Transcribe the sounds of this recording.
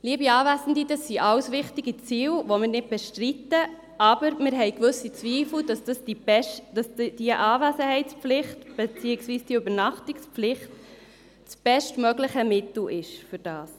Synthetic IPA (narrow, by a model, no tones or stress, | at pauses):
liəbiɑːvæzn̩didɑsːiʔɑlsʋɪχtiɡit͡siːlʋomɪːɾnɪd̚b̥eʃtɾitə | ʔɑbəɾmɪɾɦɛɪjkʋɵsːit͡sʋiːfl̩dɑsd̥ɑsd̥ibʃd̥ɑsd̥iəʔɑːvæzəhɛɪt͡spflɪχtb̥et͡siːɪksʋiːsd̥iøbəɾnɑχtiksplɪχt | t͡sb̥ɛʃtmœɡlɪχəmɪtl̩ʔɪʃfʏɾd̥ɑːs